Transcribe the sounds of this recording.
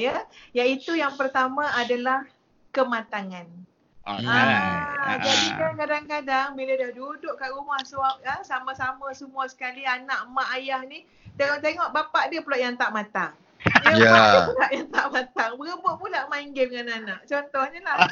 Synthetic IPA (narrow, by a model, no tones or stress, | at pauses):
jəjait̪ujaŋpərt̪amãadalah | kəmãt̪aŋan | a | d͡ʒadikaakadaŋkadaŋbiladiahdudoʔkaʔɾumahsuapəsamasamãsəmuasə̥kalianaʔmaʔajahni | t̪eŋɔʔt̪eŋɔʔbapaʔdiəpulaʔjaŋt̪aʔmãt̪aŋ | jəaaəpulaʔjaŋt̪aʔmãt̪aŋbəɡəboʔpulaʔmaiŋɡɪdəŋananaʔt͡ʃɔnt̪ɔhɲəlah